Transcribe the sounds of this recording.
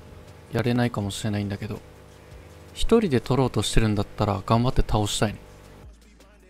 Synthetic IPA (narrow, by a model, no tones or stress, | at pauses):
jaɾe̞naikamo̞ɕiɾe̞naĩnd̪ake̞d̪o̞̰ | çi̥t̪o̞ɾʲid̪e̞t̪o̞ɾo̞ːt̪o̞ɕi̥t̪e̞ɾɯ̟̃nd̪at̪ːaɾaɡãmbat̪ːe̞̥t̪ʰao̞ɕi̥t̪aine̥